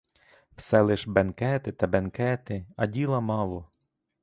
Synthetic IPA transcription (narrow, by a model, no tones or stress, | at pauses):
w̥sɛlˠɪʒbɛnkɛt̪ɪt̪ɐbenkɛt̪ɪɐdʲilˠɐmɑlˠɔ